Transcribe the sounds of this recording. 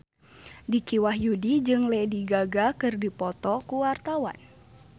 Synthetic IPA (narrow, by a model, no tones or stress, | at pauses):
dikiwaɦjudid͡ʒɨŋlɛdiɡaɡakɨrdipɔt̪ɔkuwart̪awa̰n